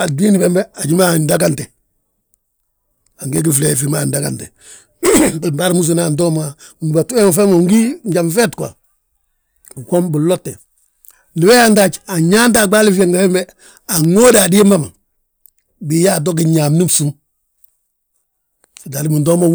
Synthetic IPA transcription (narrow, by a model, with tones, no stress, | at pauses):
a˨du˦i˦ni˦bembe˦a˨ɟi˦ma˦ndaɡante˨ | a˨ŋɡe˦ɡi˦fle˨fima˦ndaɡa̰˨ntḛ˨ | bi˨mba˦ɾmu˦s̬una˦ndoː˦mau˨nba˨tu˦e˦ŋ˨fe˦mo˨ŋɡi˦ɲɟa˨mfe˦tkwa̰˨ | ko˦mbi˨lotːe˨ | ni˨we˦janta˨t͡ʃa˨ɲa˦nta˨ɡ͡ba˦li˦fa˦ŋɡafe˦mbe˦ | a˨ŋoː˦da˨di˦ma˦ma˨ | bi˨ja˦˨do˦ɡi˨ɲaː˨mni˦bsu˦m˨ | da˨li˦mi˨ndo˦ma